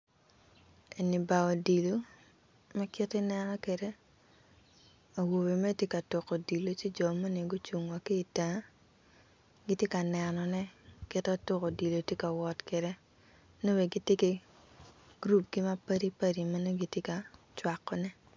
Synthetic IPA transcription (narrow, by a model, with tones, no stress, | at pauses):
e˨ni˨ba˨ɔ˨di˨lo˦ | mɛ˦kɪ˦tɪ˦nɛ˦nɔ˦ke˨de˦ | a˨wo˨be˨mɛ˦tje˦ka˨to˨ko˨di˨lo˦t͡ʃi˦d͡ʒɔ˨ma˦ne˨ɡo˦t͡ʃu˨ŋwa˨kiː˦˨ta˨˦ | ɡi˦tje˦ka˨nɛ˨nɔ˨nɛ˦kɪ˦tɔ˦tʊ˦ko˨di˨lo˨tje˦ka˨wɔ˨tke˨ɾe˦ | no˦we˨ɡi˦tje˦ki˦ | ɡ̥ɾu˦p̚ɡi˦ma˦pa˦ɾi˦pa˦ɾi˨ma˦no˦ɡi˦tje˦ka˨t͡ʃwa˨kːɔ˦nɛ˦